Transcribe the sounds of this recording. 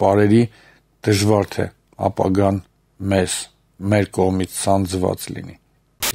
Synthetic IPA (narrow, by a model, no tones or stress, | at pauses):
pɑɾɛɾi | d̪̥əʒvɑɾt̪ʰɛ̰ | ɑ̰pɑ̰ɡɑn | mɛs | mɛɾkɔʁmit͡sʰsɑnd͡zvɑ̰t͡slḭni